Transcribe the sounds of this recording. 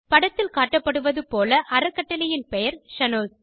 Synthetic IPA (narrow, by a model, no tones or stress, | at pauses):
pɐɽɐt̪ːɪlkaːʈːɐpːɐɽɯʋɐðɯpoːlɐʔɐɾɐkːɐʈːɐlɪjɪnpɛjɐɾʂɐnoːs